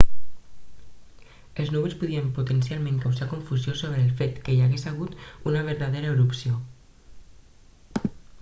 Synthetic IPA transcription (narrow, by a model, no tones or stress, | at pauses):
əlˠznuβəlˠspuðiəmput̪ənsialˠmẽŋkawzakuɱfuziosoβɾəːlˠfet̪kəjaɣesaɣ̞ut̪unəβəɾðaðeɾəːɾupsio